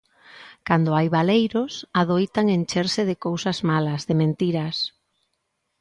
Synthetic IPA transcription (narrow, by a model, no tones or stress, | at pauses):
kand̪ʊajβalejɾʊsaðojt̪aŋent͡ʃeɾsɪðɪkowsazmalɐzðɪmẽnt̪iɾɐs